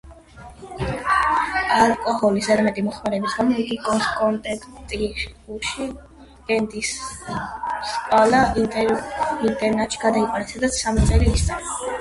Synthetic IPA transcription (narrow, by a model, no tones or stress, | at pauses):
alkʼɔhɔlisɛɾmɛt̪ʼimɔχmaɾɛbisɡamɔiɡikʼɔnskʼɔnt̪ʼɛkʰt̪ʼiuʃi | ɡɛnd̪is | skʼwalai | int̪ʼɛɾnɛt̪ʼʃi̥ɡad̪aiqʼwaɾɛsʰad̪asamit̪sʼɛliːst̪sʼɛɾa